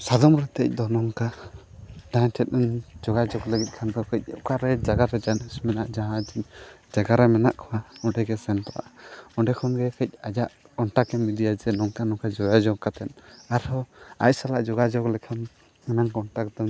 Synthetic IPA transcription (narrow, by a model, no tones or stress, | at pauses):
sad̪ɔmɾɛt̪ɛ̰c̚d̪ɔnɔŋka | daɲtʰɛt̪̚ˀnɔɲd͡ʒɔɡad͡ʒɔɡləɡɛt̪̚ˀkʰanɡɔkəc̚ˀɛʔkaɾɛd͡ʒaɡaɾɛd͡ʒanismɛnaʔd͡ʒaɦãd͡ʒiɲd͡ʒaɡaɾɛmɛnaʔkʰɔwaɔɖɛɡɛsɛnt̪ɔʔa̰ʔɔɖɛkʰɔnɡɛkəc̚ˀad͡ʒaʔ | kɔɳʈakɛmid̪ijad͡ʒɛnɔŋkanɔŋkad͡ʒɔɡad͡ʒɔɡkat̪ɛnaɾhɔa̰c̚salaʔd͡ʒɔɡad͡ʒɔklɛkʰan | ɛmankɔɳʈakd̪ɔ